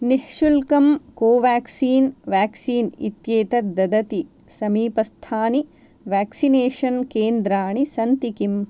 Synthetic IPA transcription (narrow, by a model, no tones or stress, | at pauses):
nihʂulkɐmkoːʋaːksiːnʋaːksiːnḭt̪jeːt̪ɐd̪ɐd̪ɐt̪i | sɐmiːpɐst̪ʰaːni | ʋaːksineːʂɐnkeːnd̪ɾaːɳisɐnt̪ikim